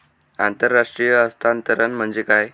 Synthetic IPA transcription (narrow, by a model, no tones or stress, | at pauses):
ant̪əɾːaʂʈɾijəːst̪ant̪əɾənm̤əɳd͡ʑekaj